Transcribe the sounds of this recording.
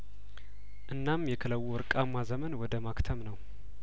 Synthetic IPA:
ʔɨnːamjɛkʰələwːuɾkʼamːazəmənwɔd̪əmakt̪ʰəmnəw

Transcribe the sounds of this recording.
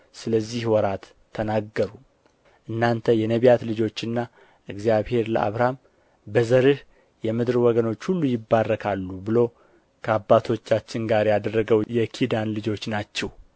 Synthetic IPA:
sɨləzːihwɔɾat̪ʰːənaɡːəɾu | ʔɨnːant̪ʰəjɛnəβijat̪lɨd͡ʒo̞t͡ʃːɨnːa | ʔɨɡzjaβhe̞ɾlə̰ʔa̰βɾam | bəzəɾɨh | jɛmɨd̪ɾwɔɡəno̞t͡ʃːhulːujɪbːarːəkʰalːubɨlo̞ | kʰəabːat̪ʰo̞t͡ʃːat͡ʃːɪnɡaɾjad̪ərːəɡəwjɛkʰid̪anlɨd͡ʒo̞t͡ʃːnat͡ʃːɛw

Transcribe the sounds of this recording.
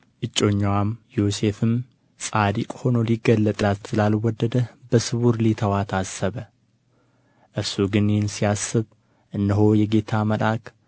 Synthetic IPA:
ʔɨt͡ʃʼːo̞ɲːwamjose̞fɨm | sʼad̪ikʼho̞no̞liɡːəlːət̪ʼlat̪sɨlalwɔd̪ːəd̪əbəsɨβuɾlit̪ʰəwat̪ʰasəβə | ʔɨɾsuɡɨnhnsiasːɨβ | ʔɨnːɨɦo̞jɛɡe̞t̪ʰaməlʔak

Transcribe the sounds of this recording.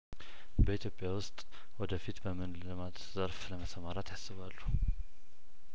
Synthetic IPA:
bəit̪ʰjo̞pʼːjawʊst̪ʼ | wɔd̪əfit̪bəmɨnlɨmat̪zəɾfləməsəmaɾat̪jasːɨβalːu

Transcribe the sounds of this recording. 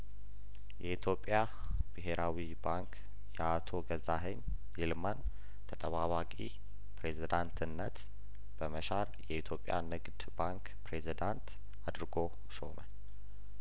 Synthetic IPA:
jʔɛit̪ʰjo̞pʼja | b̥ɨɦe̞ɾawibaŋk | jɛat̪ʰo̞ɡəzaɦeɲ | jilman | t̪ʰət̪ʼəβaβakʼi | pɾe̞zid̪ant̪ʰɨnːət̪ | b̥əməʃaɾjɛit̪ʰjo̞pʼːja̰nɨɡd̪baŋk | pɾe̞zid̪ant̪ | ad̪ɾɡo̞ | ʃomə

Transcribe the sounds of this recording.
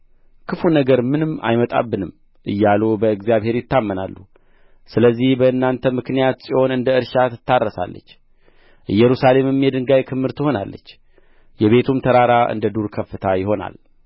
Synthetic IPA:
kʰɨfunəɡəɾmɨnɨmːa̰jmət̪ʼa̰bːɨnɨm | ʔɨ̰jːalobəɨɡzijaβhe̞ɾjɪt̪ːamːəna̰lːu | sɨləzːihbəɨnːant̪ʰəmɨknijat̪sʼiʔo̞nɨnd̪əɨɾʃat̪ʰɨ̥t̪ʰːarːəsa̰lːə̰t͡ʃː | ʔɨjːɛɾusale̞mɨmjɛd̪ɨŋɡajkʰɨmːɨɾt̪ʰɨho̞na̰lːə̰t͡ʃː | jɛβe̞t̪ʰumt̪ʰəɾaɾaʔɨ̰nd̪əd̪uɾkʰəfːɨt̪ʰajɪɦo̞na̰l

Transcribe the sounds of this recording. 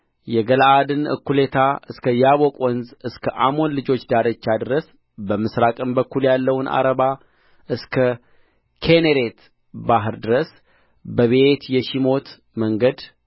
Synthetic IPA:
jɛɡəlʔad̪ɨnɨ̰kːulet̪ʰaʔɨskʰəjaβo̞kʼwɔnzɨskʰəʔamo̞nlɨd͡ʒo̞t͡ʃːd̪aɾət͡ʃːad̪ɨɾəs | bəmɨsɾakʼɨmbəkːuljalːəwnʔa̰ɾəβa | ʔɨskʰə | kʰeneɾe̞t̪ | baɦɨɾd̪ɨɾəs | bəβe̞t̪jɛʃimo̞t̪ | məŋɡəd̪

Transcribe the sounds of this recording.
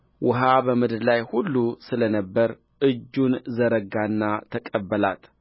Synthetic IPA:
wʔʊɦabəmɨd̪ɨɾlajhulːusɨlənəbːəɾ | ʔɨd͡ʒːunzəɾəɡanːat̪ʰəkʼəbːəla̰t̪

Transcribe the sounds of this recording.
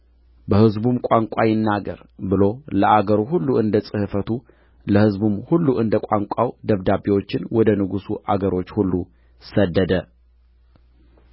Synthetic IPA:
bəhɨzbumkʷʼaŋkʷʼajɪnːaɡə̰ɾbɨlo̞ləʔaɡəɾuhulːuʔɨnd̪əsʼɨhɨfət̪ʰu | ləhɨzbumhulːuʔɨnd̪əkʷʼaŋkʷʼawd̪əβd̪abewo̞t͡ʃːɪnwɔd̪ənɨɡusuʔaɡəɾo̞t͡ʃːhulːu | səd̪ːəd̪ə

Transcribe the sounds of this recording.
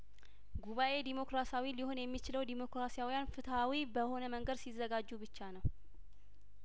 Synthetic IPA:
ɡuβaʔe̞d̪imo̞kɾasawiliho̞njɛmːit͡ʃɪləwd̪imo̞kɾasijawijanfɨt̪ʰawibəho̞nəməŋɡəd̪sizːəɡad͡ʒːubɨt͡ʃːanəw

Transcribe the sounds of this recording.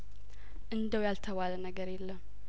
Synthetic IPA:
ʔɨnd̪əwjalt̪ʰəwalənəɡəɾjɛlːəm

